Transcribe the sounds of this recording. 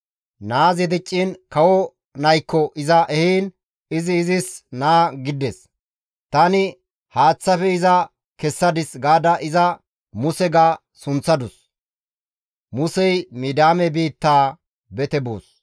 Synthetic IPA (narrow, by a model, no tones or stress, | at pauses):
naːzɪd̪ɪt͡ʃʼːinkɐwɔ | nɐjkːɔʔɪzɐʔɛhiːn | ɪzɪːzɪsnaːɡɪd̪ɛs | t̪ɐnɪ | haːt͡sːɐfɛɪzɐ | kɛsːɐd̪ɪsɡaːd̪ɐʔɪzɐ | mʊsɛɡa | sʊnt͡sːɐd̪ʊs | mʊsɛjmiːd̪aːmɛbiːt̪ːaː | bɛt̪ɛbo̰ːs